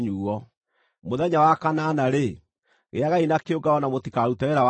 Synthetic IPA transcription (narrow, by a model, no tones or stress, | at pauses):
ɲuɔ | moðɛɲawakananaɾe | ɣḛaɣainakeoɡaɔnamotikaɾutaɛɾaw